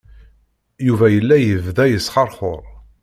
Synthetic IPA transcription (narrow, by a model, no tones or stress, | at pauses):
juvæjəlːæjəvðæjəsχɑɾˤχʊɾˤ